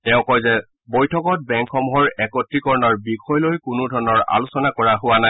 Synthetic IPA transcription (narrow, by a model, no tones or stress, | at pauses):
tɛʊ̃kɔjzɛ | bojtʰɔkɔt̚bɛŋkʰɔmuɦɔɹɛkɔtːikɔɹɔnɔɹbikʰɔjlojkʊnʊdʱɔɹɔnɔɹa̰lusɔnakɔɹaɦʊwana